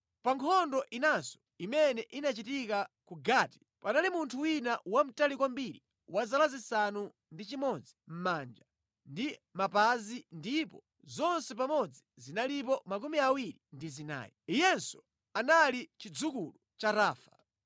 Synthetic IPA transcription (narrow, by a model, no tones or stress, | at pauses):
paŋkʰɔndɔʔinansɔ̥ | imɛnɛʔinat͡ʃitikakuɡaːti̥ | panalimuntʰuwinawam̩talikwambiɾi | wazalazisanu | ndit͡ʃimɔd͡zim̩mand͡ʒa | ndimapazindipɔ | zɔnsɛp̬amɔd͡zizinalip̬ɔmakumiawiɾindizina̰ːjiijɛnsɔ̥ | analit͡ʃid͡zukulu | t͡ʃaɾaːfḁ̰